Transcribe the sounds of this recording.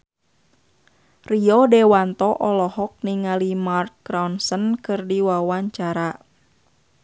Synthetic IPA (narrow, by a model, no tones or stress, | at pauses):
riɔdɛwant̪ɔʔɔlɔhɔk̚niŋalimarkːɾawnsənkɨrdiwawaɲt͡ʃaɾa